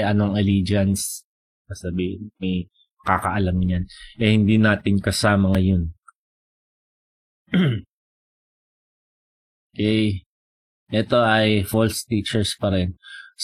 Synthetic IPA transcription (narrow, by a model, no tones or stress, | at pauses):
jʔɐnoŋɐliːd͡ʒɐns | ɐsɐbiːhɪnmɐj | mɐkaːkɐʔɐlamɲanʔɛhɪnd̪inaːt̪ɪŋkɐsaːmɐŋɐjon | ookɛj | ʔɛt̪o̞ʔɐjfolst̪iːt͡ʃɛɹspɐɾɛns